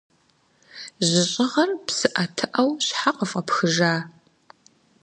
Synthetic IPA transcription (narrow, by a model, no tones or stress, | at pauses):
ʑɪɕʼɪʁɐrpsɨʔɐtʰɨʔɐwɕħaqʼɐfʼɐpxɨʒaː